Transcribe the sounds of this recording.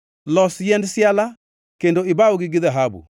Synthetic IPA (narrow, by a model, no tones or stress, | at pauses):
lɔsjɛndsjala | kendoɪbaoɡɪɡɪðaɦabṵ